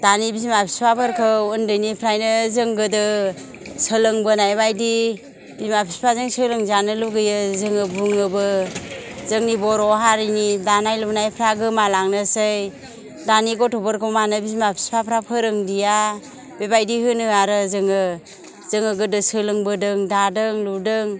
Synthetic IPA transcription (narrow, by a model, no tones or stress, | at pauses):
d̥anibizimapʰi̥spʰapʰɯɾkʰɯɯndɯjnipʰɾajnɯzɯŋɡɯdɯ | sɯlɯŋbɯnajbajdi | bizimapʰi̥spʰazɯŋsɯlɯŋzanɯluɡɯjɯzɯŋɯbuŋɯbɯ | zɯŋnibɔɾɔɦaɾinidanajlunajpʰɾaɡɯmalaŋnɯsɯj | daniɡɔtʰɔbɔɾkʰɔwmanɯbizmapʰi̥spʰapʰɾapʰɯɾɯŋdija | bebajdihɯnɯaɾɯzɯŋɯ | zɯŋɯɡɯdɯsɯlɯŋbɯdɯŋdadɯŋludɯŋ